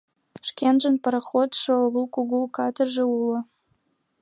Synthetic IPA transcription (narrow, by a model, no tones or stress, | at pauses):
ʃkʲenʒə̆npəɾaxot̪ʃolˠukuɡukɑt̪ərʒĕulŏ